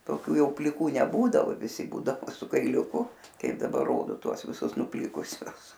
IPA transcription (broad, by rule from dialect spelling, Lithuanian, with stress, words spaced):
toːˈkʲuː ˈjɛʊ pʲlʲɪˈkuː nʲɛˈbuːdɐʋoː ʋʲɪˈsʲɪ ˈbuːdɐʋoː sʊ kɐɪlʲʊˈkʊ ˈkɐɪp dɐˈbɐ ˈroːdoː ˈtuɔs ʋʲɪˈsʊs nʊˈpʲlʲɪkʊsʲʊs